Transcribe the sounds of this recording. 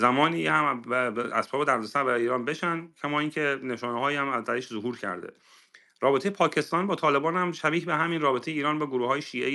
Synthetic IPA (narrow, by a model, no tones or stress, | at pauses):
zæmɒːniːhæmæ̰sbɒːbed̪æɾd̪ost̪ænbæɾːjiːɾɒːnbe̞ʃænd̪cʲʰæmɒːiːncʰene̞ʃɒːneɦɒːiːæmæzd̪æɾeʃzoɦuːɾcʰæ̰ɾd̪ḛ | ɾɒːbet̪ʰejepʰɒːcʰe̞st̪ɒːnbɒːt̪ʰɒːle̞bɒːnhæmʃæbiːcbeɦæminrɒːbe̞t̪ʰe̞jeiːɾɒːnbɒːɡoɾuːhɒːjeʃiːʔḛ